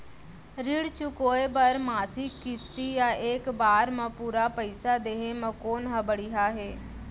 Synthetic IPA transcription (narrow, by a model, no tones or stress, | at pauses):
ɾɪɽt͡ʃʊkoːebɐɾmaːsikːɪst̪ijaʔeːkbaːɾmɐ̃puːɾapəɪsad̪eːɦẽmɐ̃koːnɦɐbəɽiɦaːɦeː